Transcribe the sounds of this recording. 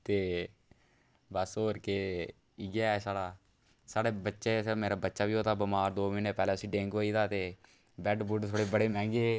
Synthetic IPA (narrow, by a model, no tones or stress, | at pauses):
t̪eː | bəsɦoːɾkeː | iɡaːsaːɽaː | saːɽeːbətːʃeːmeːɾaːbətːʃaːbiːɦoːt̪aːbəmaːɾd̪oːmiːnəpɛːlɛːtʊsĩːɖẽːŋkoːiːd̪aːt̪eː | bɛːɖbuʈt̪ʰoːɽeːbəɽeːmɛ̃ːŋɡeː